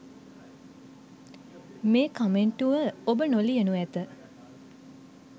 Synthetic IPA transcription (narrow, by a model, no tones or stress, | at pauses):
meːkameɳʈuʋəobənolijənuæt̪ə